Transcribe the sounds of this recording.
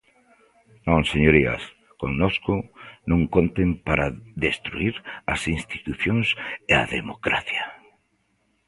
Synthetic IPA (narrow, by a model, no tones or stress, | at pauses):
nõŋseɲoɾiɐ̰s | koŋnoskʊnõŋkont̪empaɾaðest̪ɾuiɾɐsinst̪i̥t̪uθjoŋseaðemokɾaθja